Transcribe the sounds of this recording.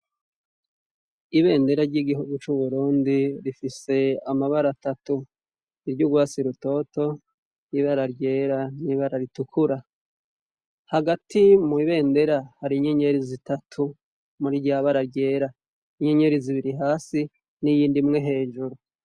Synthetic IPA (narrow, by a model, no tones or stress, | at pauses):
iβe̞ːndeɾaɾɟiɡiɦuɡut͡ʃuβuɾuːndiɾifise̞amaβaɾatatu | iɾɟuɡwaːsiɾuto̞to̞ | jiβaɾaɾɟe̞ːɾaniβaɾaɾitukʰuɾa | haɡatimuiβe̞ːnde̞ɾahaɾiɲeɲe̞ɾizitatʰu | muɾiɟaːβaɾaɾɟe̞ːɾa | iɲeɲe̞ɾiziβiɾiɦaːsi | nijiːndimŋe̞ɦe̞ːʒuɾu